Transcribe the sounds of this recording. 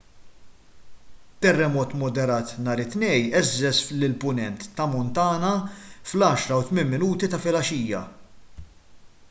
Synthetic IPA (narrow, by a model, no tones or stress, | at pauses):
t̪ːɛrːɛmɔːt̪mɔd̪ɛɾɐːt̪nɐːɾɪt̪nɛjʔɛzːɛslɪlpʊnɛnt̪ːɐmɔnt̪ɐːnɐflɐːʃɾɐwt̪mɪnmɪnuːt̪it̪ɐfɪlɐʃiːjɐ̰